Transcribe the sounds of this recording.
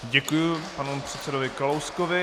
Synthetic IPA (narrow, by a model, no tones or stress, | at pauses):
ɟɛkujʊpanupr̝̥ɛt̪sɛdovɪkalowskovɪ